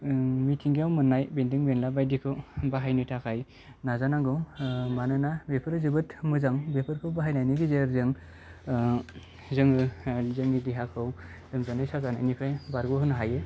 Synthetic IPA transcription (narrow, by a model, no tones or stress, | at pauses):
mitʰiŋɡijawmɯnːajbendiŋbenlabajdikʰɯwbaɦajnɯtʰakʰaj | nazanaŋɡɯwmanɯnabepʰɯɾɯzɯbɯtmɯzaŋbepʰɯɾkʰɯwbaɦajnajnɯɡizeɾzɯŋ | zɯŋɯzɯŋnidiɦakʰɯw | dɯmzanajsazananikʰɯjbaɾɡɯɦɯnɦajɯ